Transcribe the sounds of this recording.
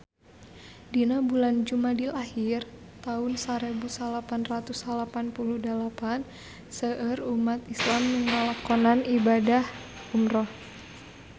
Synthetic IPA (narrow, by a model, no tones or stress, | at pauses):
dinabuland͡ʒumadilahir | t̪aʊnsaɾebusalapanrat̪usalapanpuluhdəlapan | səərumat̪islamːəŋalakɔnanibadah | umɾɔh